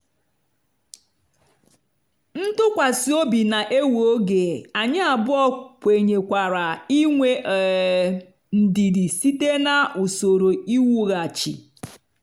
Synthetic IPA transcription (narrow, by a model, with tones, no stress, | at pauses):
n̩˦tʊ˦kʷa˨si˨o˦bi˨na˨ʔe˦wo˦ɡe˨a˨ɲɪ˦a˨bʊ˦ɔ˦kʷe˨ɲe˨kʷa˨ɾa˨i˦ŋʷe˦˨ | n̩˨di˨di˨si˦te˦na˨u˨so˨ɾo˨i˦wu˦ɣa˨t͡ʃḭ˨